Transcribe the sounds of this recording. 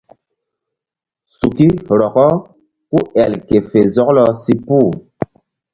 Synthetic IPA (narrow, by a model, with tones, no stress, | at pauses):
su˨ki˦ɾɔ˨kɔ˦ | ku˦ɛ˨lke˨fe˨zɔ˦klɔ˨si˦pu˦˨